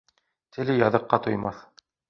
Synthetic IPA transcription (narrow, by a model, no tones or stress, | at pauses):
t̪ʰɘ̆lɘjɑðɤ̆qːɑt̪ŏjmɑθ